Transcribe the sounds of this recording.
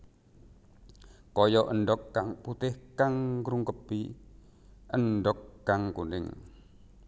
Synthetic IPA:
kɔjɔʔənɖɔkːaŋput̪ɪhkaŋkɾuŋkəpi | ənɖɔkːaŋkunɪ̰ŋ

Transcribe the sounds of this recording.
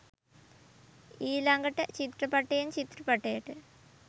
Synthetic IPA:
iːlɐŋɡɐʈːɐt͡ɕit̪rɐpɐʈːejɐnt͡ɕit̪rɐpɐʈːejiʈːɨ

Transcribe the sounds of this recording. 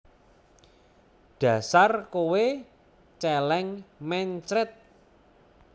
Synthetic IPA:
ɖ̥ä̤sarkowe | t͡ʃɛlɛŋmɛɲt͡ʃɾɪt̪̚

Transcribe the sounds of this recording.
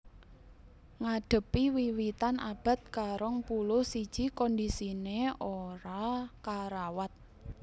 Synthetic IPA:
ŋaɖ̥ə̤piwiwit̪ana̰b̥a̤t̪̚kaɾɔŋpulʊhsid̥ʒ̥i̤kɔnd̪isineoɾakaɾawat̪̚

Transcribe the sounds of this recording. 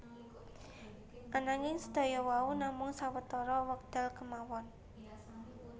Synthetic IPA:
ʔanaŋɪŋsəd̪̥ɔ̤jɔwaunamʊŋsawət̪ɔɾɔwək̚d̪̥a̤lkəmawɔn

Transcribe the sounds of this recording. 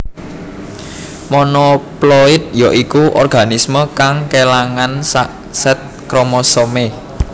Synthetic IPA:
mɔnɔplɔɪt̪̚jɔʔikuʔɔrɡ̥a̤nisməkaŋkelaŋansaʔ | sɛt̪̚ | kɾomɔsome

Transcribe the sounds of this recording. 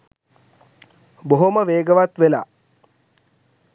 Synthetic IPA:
boɦoməʋeːɡəʋat̪ʋela

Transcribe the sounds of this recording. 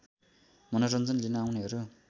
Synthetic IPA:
mʌnoɾʌnd͡zʌnlinʌawneɦʌɾu

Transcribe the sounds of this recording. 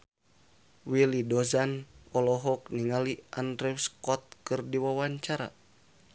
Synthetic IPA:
wilidɔzanɔlɔɦɔk̚niŋaliʔandɾɛwskɔt̪̚kɨrdiwawaɲt͡ʃaɾa̰

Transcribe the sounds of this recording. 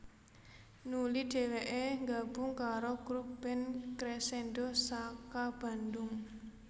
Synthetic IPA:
nuliɖ̥e̤weʔeŋɡab̥ʊŋkaɾokɾubbɛnkɾesendosakab̥a̤ndʊŋ

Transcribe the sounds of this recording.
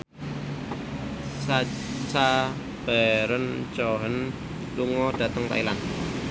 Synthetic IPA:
a | t͡ʃa | b̥ɛɾənt͡ʃɔɦən | luŋɔd̥a̤t̪əŋt̪a̰ilan

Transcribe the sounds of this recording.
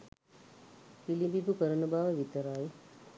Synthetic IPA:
filibibupəɾɐnɐbaːʋɐʋit̪ːɐɾaːj

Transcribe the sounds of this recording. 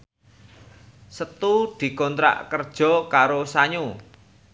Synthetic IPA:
sət̪ud̪̥i̤kɔnt̪ɾa̰ʔkərd̥ʒ̥ɔ̤kaɾosaɲu

